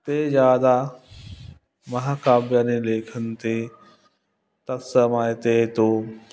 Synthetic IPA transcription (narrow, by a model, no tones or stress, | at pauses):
t̪eːzjaːd̪a | mɐɦaːkaːbjaːneleːkʰənt̪e | t̪ɐsɐmaːjt̪eːt̪oː